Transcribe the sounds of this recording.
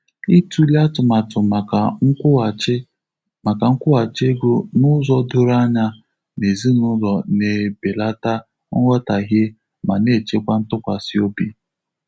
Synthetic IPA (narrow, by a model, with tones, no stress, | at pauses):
i˦tu˦li˦a˦tʊ˨ma˨tʊ˨m˨a˨ŋ̩˦˨˦ | ma˨ka˨ŋ̩˦kʷʊ˦a˨t͡ʃe˦ɡo˦nʊ˦zɔ˦do˦ɾa˦ɲa˦ | ne˨zi˦nʊ˦zɔ˨ne˨be˨la˦ta˦ | ŋ̩˦ŋʷɔ˦ta˨ɦe˦ | ma˨ne˦˨t͡ʃe˦kʷa˦n̩˦tʊ˦kʷa˨si˦o˦bi˦